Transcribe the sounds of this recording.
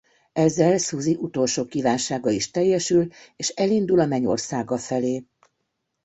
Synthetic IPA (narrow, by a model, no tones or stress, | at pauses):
ɛzːɛlsuziʔut̪o̞lʃoːkivaːnʃaːɡɒiʃt̪ɛjːɛʃyleːʃɛlind̪ulɒmɛɲo̰rsaːɡɒfɛleː